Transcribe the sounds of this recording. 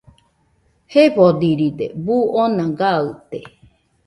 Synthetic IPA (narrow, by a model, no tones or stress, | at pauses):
hepod̪iɾid̪ḛbuonãɡaɨt̪e